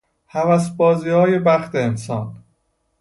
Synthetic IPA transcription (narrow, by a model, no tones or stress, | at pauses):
hævæs̬bɒːziːhɒːje̞bæxt̪ʰeːnsɒːn